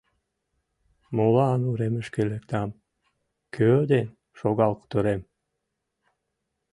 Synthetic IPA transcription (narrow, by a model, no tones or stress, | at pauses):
molˠɑːnuɾemyʃkelekt̪am | kʰøːd̪en | ʃoɡɑlˠqt̪oɾem